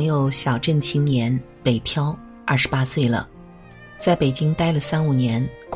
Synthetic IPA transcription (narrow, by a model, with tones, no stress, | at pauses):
ŋjo˧˩˦ʊɕjɑ˨˩ʊʈ͡ʂə˥˩nt͡ɕʰi˥ŋnjɛ˧˥n | pe˨˩ɪpʰjɑ˥ʊ | ɐ̰˥˩ʂ̩˧˥pa˥swe˥˩ɪlə̰˩ | t͡sa˥˩ɪpe˨˩ɪt͡ɕi˥ŋt̪a˥ɪlə˨˩sa˥nu˨˩njɛ˧˥nk